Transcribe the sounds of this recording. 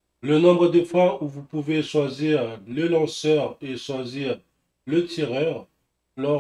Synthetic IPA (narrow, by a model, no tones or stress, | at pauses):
lənɔ̃bʁəd̪əfwauvupuveʃwaziʁləlɑ̃sœʁeʃwaziʁ | lət̪ʰiʁœʁ | lɔ